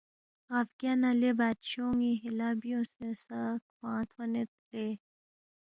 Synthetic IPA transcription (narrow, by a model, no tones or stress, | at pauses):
ɣɐfɡʲanalebaːt̪ɕoːŋiɦilabijõsẽsakwãːt̪ʰwanet̪̚le